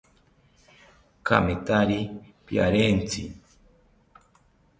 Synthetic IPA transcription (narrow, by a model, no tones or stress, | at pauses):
ka̰metaɾipja̰ɾent͡sḭ